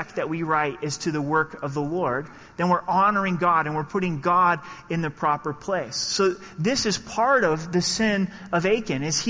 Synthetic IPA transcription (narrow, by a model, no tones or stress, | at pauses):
k̚ðɨʔ̚wiɹaɪɾɪz̥tʰɨðɨwɜ˞kʌvðəlɔɹd̪̚ | ðɨ̃nwɪɹʔɑnə˞ɪ̃ŋɡɑɾɨ̃nwɨɹpʰʊɾɪ̃ŋɡɑɾɨ̃nðɨpʰɹ̥ɑpə˞pʰl̥eɪsːoʊ | ðɪsɨz̥pʰɑɹɾʌvðɨsɪ̃n | ʌveɪkɨ̃nɨz̥